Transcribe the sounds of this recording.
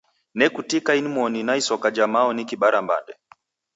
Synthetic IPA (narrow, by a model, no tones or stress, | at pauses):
nɛkutikainimɔninaisɔkad͡ʒamaɔnikiɓaɾamba̰ndɛ